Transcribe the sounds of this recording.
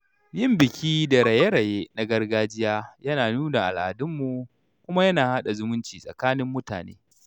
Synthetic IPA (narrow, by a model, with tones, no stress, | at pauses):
jɪ˦˨mbɪ˨kʲʰiː˦da˨ɽɐ˨je˦ɾɐ˨je˦na˦ɡɐ˦rɡaː˦d͡ʒɪ˦jaː˦jɐ˦naː˨nuː˦na˨ʔa˨lʔa̰˨dʊ˦mːu˨ | kʷʊ˦ma˦jɐ˦naː˨ha˦ɗa˨zʊ˦mʊ˦nt͡ʃiː˨sʼɐ̰˨kaː˦nɪ˦mːʊ˦ta̰ː˨nḛː˦